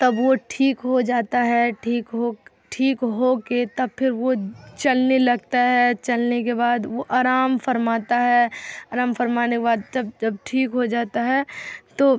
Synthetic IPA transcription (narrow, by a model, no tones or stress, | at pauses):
t̪ɐbʋoʈʰiːkɦod͡ʒaːt̪aɦɛʈʰiːkɦo | ʈʰiːkɦoket̪ɐbpʰɪɾʋot͡ʃɐlnelɐɡ̚t̪aɦɛt͡ʃɐlnekebaːd̪ʋoʔaːɾaːmfɐɾmaːt̪aɦɛaːɾaːmfɐɾmaːneɪkebaːd̪̚d͡ʒɐb̚d͡ʒɐb̚ʈʰiːkɦod͡ʒaːt̪aɦɛt̪oː